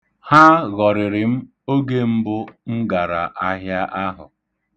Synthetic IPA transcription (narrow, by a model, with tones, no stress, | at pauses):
ha˦ɣɔ˨ɾɪ˨ɾɪ˨m̩˦ | o˦ɡe˦m̩˦bʊ˦ŋ̩˦ɡa˨ɾa˨ʔa˦ɦja˦ʔa˦ɦʊ̰˨